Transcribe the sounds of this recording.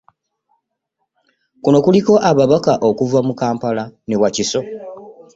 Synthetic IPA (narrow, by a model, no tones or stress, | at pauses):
kuno̞kuliko̞ʔaβaβakaʔo̞kuvamukaːmpalane̞waciso̞